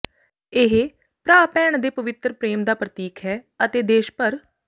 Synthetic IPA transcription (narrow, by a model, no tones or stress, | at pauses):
ɪɦ | pɾaːpɛːɳd̪eːpəʋɪt̪ɾpɾeːmd̪aːpɾət̪iːkʰɦɛː | ət̪eːd̪eːʃpəɾ